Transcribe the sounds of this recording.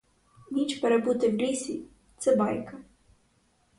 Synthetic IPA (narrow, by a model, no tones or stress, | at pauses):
nʲit͡ʃpɛɾebut̪ɪwɾʲisʲḭ | t̪sɛbɑ̰jkɐ